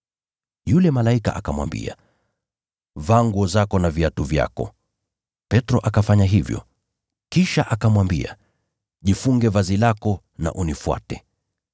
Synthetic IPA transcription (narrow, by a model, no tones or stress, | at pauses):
julɛmalaika̰ʔakamwa̰mbḭa̰ | vaŋɡwɔzakɔnaviatuvja̰kɔ̰ | pɛtɾɔʔakafaɲaɦivjɔ̰ | kiʃaʔakamwambḭa̰ | ʄifuŋɡɛvazilakɔ | na̰ʔunifwa̰tɛ